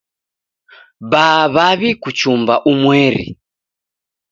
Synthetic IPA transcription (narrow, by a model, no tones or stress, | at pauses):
baːβaβikut͡ʃumbaʔumwɛɾḭ